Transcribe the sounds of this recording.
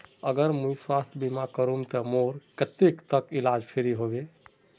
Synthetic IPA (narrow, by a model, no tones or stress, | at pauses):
əɡəɾmujswast̪ʰbimakəɾumt̪əmoɾkət̪ekt̪əkilad͡ʒpʰeɾiɦoɡe